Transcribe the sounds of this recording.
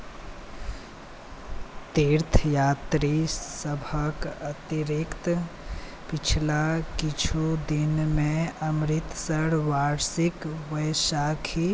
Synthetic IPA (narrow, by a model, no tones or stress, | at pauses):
t̪eɾt̪ʰjaːt̪ɾisəbʱəkət̪iɾikt̪ | pit͡ʃʰlakit͡ʃʰud̪inmẽəmɾit̪səɽʋaɾsikʋəjsakʰi